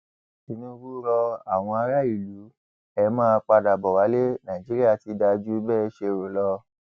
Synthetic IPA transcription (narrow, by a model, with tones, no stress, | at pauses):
i˧nũ˦˧ɾu˦ɾɔ˧a˨w̃ɔ̃˧a˧ɾa˦i˦˨lu˨˦ | ɛ˧˨mãː˦˧k͡pa˧da˨bɔ˨wa˨˦le˦nã˨i˨d͡ʒi˨˦ɾi˦a˦˨ti˧˦da˧d͡ʒu˦bɛ˦˨˦ʃe˧˨ɾo˨lɔ˦